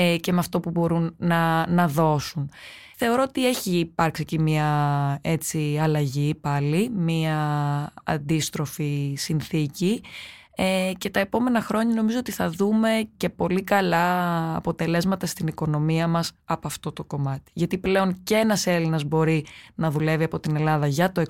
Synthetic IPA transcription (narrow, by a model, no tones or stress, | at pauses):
ce̞meɐft̪o̞pubo̞ɾunːɐnɐðo̞sun | θe̞o̞ɾo̞ot̪ie̞çiːpɐɾksiecimiɐe̞t͡siɐlɐʝipɐlimiɐ | ɐ̰nd̪ist̪ɾo̞fisinθici | ece̞t̪ɐe̞po̞me̞nɐxɾo̞ɲɐno̞mizo̞ot̪iθɐðume̞ce̞po̞likɐlɐːpo̞t̪e̞le̞zmɐt̪ɐst̪iniko̞no̞miɐmɐsɐpoɐft̪o̞t̪o̞ko̞mɐt̪i̥ʝɐt̪iple̞o̞nceenɐse̞linɐzbo̞ɾinɐðule̞viɐpo̞t̪ine̞lɐðɐʝɐt̪oe